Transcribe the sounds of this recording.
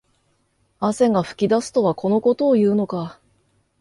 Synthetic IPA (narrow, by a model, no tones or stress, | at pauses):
ase̞ŋaɸɯ̟̥kʲid̪asɨ̥t̪o̞βako̞no̞ko̞t̪o̞ːjɯ̟ːno̞ka